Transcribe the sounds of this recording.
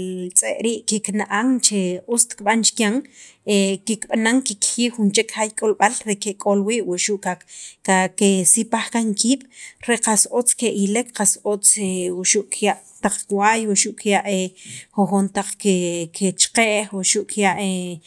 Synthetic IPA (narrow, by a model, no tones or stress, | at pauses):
t͡sʼeʔɾiːʔkiknaʔaŋt͡ʃeust̪kɓant͡ʃkjaŋekikɓanaŋkikxiːunt͡ʃekxajkʼolɓalɾekekʼolwiːʔwuʔʃuʔkaakesipaχkaŋkiːɓ̥ɾeqasot͡skeʔilekqasot͡sewuʃuʔkjaʔ | t̪aq͡χkwajwuʃuʔkjaʔexoxont̪aq͡χkekʰet͡ʃqeːʔxwuʃuʔkjaʔe